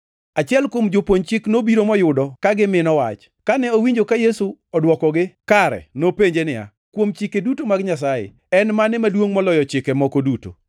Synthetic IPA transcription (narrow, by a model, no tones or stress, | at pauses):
at͡ʃɪɛlkwomd͡ʒopwoɲt͡ʃɪknobiɾomɔjʊdɔkaɡɪmɪnɔwa̰t͡ʃ | kanɛowiɲd͡ʒokajesuɔdwɔkɔɡɪkaɾɛ̰nopeɲd͡ʒenɪa̰ | kwomt͡ʃɪkedutomaɡɲas̬ajḛ | ɛnmanɪmadwoŋmɔlɔjɔt͡ʃɪkɛmɔkoduto̰